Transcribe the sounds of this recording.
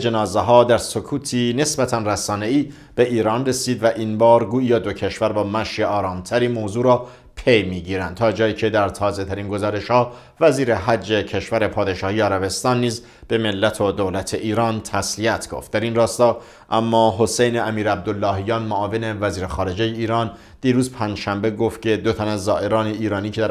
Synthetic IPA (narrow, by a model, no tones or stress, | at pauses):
d͡ʒe̞nɒːzeɦɒːd̪æɾsokʰuːt̪ʰiːne̞sbæt̪ʰænræsɒːne̞iː | b̥e̞ʔiːɾɒːnre̞siːd̪væʔiːnbɒːɾɡuːiːjɒːd̪ocʰe̞ʃvæɾbɒːmæʃeɒːɾɒːmt̪ʰæɾiːmoːzuːɾɒː | pʰejmiːɟiːɾænd̪̚t̪ʰɒːd͡ʒɒːjiːcʰe̞d̪æɾt̪ʰɒːze̞t̪ʰæɾiːnɡo̞zɒːɾe̞ʃhɒː | væziːɾeɦæd͡ʒːecʰe̞ʃvæɾe̞pʰɒːd̪e̞ʃɒːhiːeæɾæbe̞st̪ɒːnːiːz | b̥e̞me̞lːæt̪ʰod̪olæt̪ʰe̞ʔiːɾɒːnt̪ʰæsliæt̪ʰɡ̥o̰ft̪̚d̪æɾinrɒːst̪ɒː | ʔæmːɒːɦo̞sejneʔæmiːɾæb̚d̪olːɒːɦijɒːnmoʔɒːve̞ne̞væziːɾexɒːɾe̞d͡ʒejeiːɾɒːn | d̪̥iːɾuːzpʰænd͡ʒʃæmbe̞ɡoft̪̚cʰe̞d̪o̞t̪ʰænæzːɒːʔe̞ɾɒːneiːɾɒːniːcʰeæ